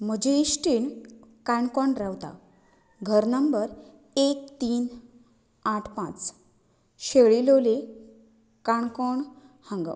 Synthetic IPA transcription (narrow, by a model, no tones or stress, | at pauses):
m̤əd͡ʑeisʈiːɳkaɳkɔɳɾaʋt̪a̰ | ɡʱəɾnəmbəɾ | ek̚t̪iːn | aʈʰpãt͡s | ɕeɭilole | kaɳkɔɳ | hãŋɡə̰